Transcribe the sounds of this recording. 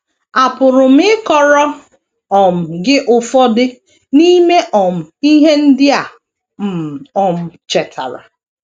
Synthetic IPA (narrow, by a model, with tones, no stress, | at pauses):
a˨pʊ˨ɾʊ˨m̩˦ɪ˦kɔ˨ɾɔ˦ | ɔ˨m̩˨ɡɪ˦ʔʊ˨fɔ˦dɪ˦ | ni˦me˦ʔɔ˨m̩˨i˦ɦe˦n̩˦dɪ˦a˨ | m̩˨ɔ˨m̩˦˨t͡ʃɛ˨tʰa̰˨ɾa̰˨